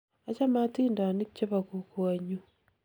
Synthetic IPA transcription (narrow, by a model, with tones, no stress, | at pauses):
a˦t͡ʃa˦ma˦tiː˦nda˨ni˦t͡ʃːe˦βa˨ku˨kwa˨ɲu˦